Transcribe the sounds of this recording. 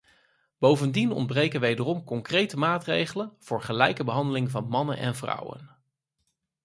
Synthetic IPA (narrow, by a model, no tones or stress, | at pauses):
b̥owvəndinɔ̰nd̚brejkənʋejdərɔmkɔŋkrejtəmaːtrḛjχələnv̥ʊːɹχəlɛjkəbəɦɑndəlɪŋvɑnmɑnə̰nʔɛ̰nvrɑ̰wə̰n